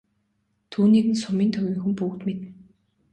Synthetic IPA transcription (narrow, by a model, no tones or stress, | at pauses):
t̪ʰuːniːɣɘ̆nsʊmiːnt̪ʰœɣʲiːŋxumpuːɣt̪met̪ɘ̆